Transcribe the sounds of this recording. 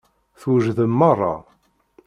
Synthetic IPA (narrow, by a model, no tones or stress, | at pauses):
θwʒðəmːɑrˤːɑ̰